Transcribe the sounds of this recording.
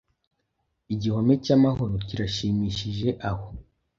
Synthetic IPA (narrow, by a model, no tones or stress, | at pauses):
iɟiho̞me̞camaɦo̞ɾo̞ciɾaʃiːmiːʃiʒe̞ʔaho̞